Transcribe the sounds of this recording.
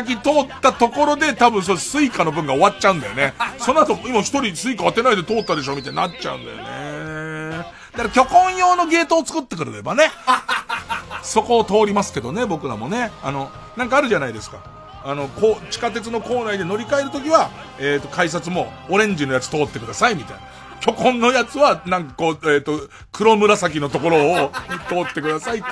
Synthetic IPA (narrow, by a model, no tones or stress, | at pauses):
ak̬ʲit̪o̞ːt̪ːat̪o̞ko̞ɾo̞d̪e̞t̪abɯ̟̃ɰ̃s̬osɨikano̞bɯ̟̃ŋɡao̞βat͡ɕaɯ̃nd̪a̰jo̞̰neso̞noat̪omimaçi̥t̪o̞ɾʲisɨikaat̪e̞naid̪e̞t̪o̞ːt̪ːad̪e̞ɕo̞ːmit̪ainat͡ɕa̰ɯ̰̃nd̪a̰jo̰ne | d̪̥aɾakʲo̞kõ̞ɰ̃jo̞ːno̞ɡe̞ːt̪o̞ːt͡sɨ̥kɯ̟t̪ːe̞k̬ɯ̟ɾɯ̟ɾe̞̰bane̞ | so̞ko̞ːt̪o̞ːɾʲimasɨ̥ke̞d̪o̞ne̞bo̞kɯ̟ɾa̰mo̞ne̞a̰no̞ | nãŋkaːɾɯ̟ʑanaid̪e̞sɨ̥ka | ano̞koːt͡ɕi̥kat̪e̞t͡sɨno̞ko̞ːnaid̪e̞no̞ɾʲikae̞ɾɯ̟t̪o̞k̬ʲiβa | eːt̪ːo̞kais̬at͡sɨmo̞ːɾẽ̞ɲ̟d͡ʑino̞jat͡sɨ̥t̪o̞ːt̪ːe̞kɯ̟d̪asaimʲit̪ajna | kʲo̞kõ̞nːo̞jat͡sɨβanãŋkḁko̞ːeːt̪ːo̞ | kɯ̟ɾo̞mɯ̟ɾasak̬ʲino̞t̪o̞ko̞ɾo̞ːt̪o̞ːt̪ːe̞kɯ̟d̪asait̪ː